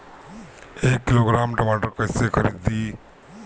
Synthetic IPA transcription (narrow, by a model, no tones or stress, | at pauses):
ekːiloːɡɾaːmʈɐmaːʈəɾkəjsekʰɐɾid̪i